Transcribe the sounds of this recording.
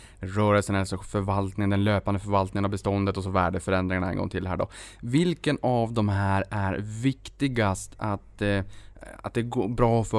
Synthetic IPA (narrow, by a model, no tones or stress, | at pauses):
ɾœːɾəlsənɛlsʂɔfœɾvalt̪nɪŋənd̪ɛnløːpand̪əfœɾvalt̪nɪŋənavbɛst̪ɔnd̪ət̪ɔs̬ɔvæːɖəfœɾɛnd̪ɾɪŋaɳaɛ̰nɡɔ̰ŋt̪ʰɪlːɦæ̰ːɖɔ̰vɪlkənavd̪ɔmɦæːɾæɾvɪkt̪ɪɡast̪ʰat̪ | a̰t̪̚d̪ɛɡoːbɾɑːfœ